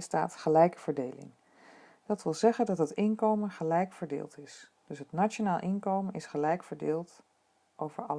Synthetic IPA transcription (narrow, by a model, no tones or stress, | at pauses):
sta̰ːtχəlɛjkəv̥əɹdejlɪ̰ŋ | d̥ɑtʋɪlˠzɛχəndɑtɦətɪnkowmənχəlɛjkfəɹdɪ̰ːlˠtɪs | d̥ɵsɦətnat͡ʃonaːlˠʔɪnkowmənɪsχəlɛjkfəɹdɪːlˠt | ʔowvəɹɑl